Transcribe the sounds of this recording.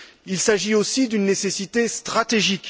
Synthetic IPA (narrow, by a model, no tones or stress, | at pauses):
ilsaʒiosid̪ynːesesit̪est̪χat̪eʒik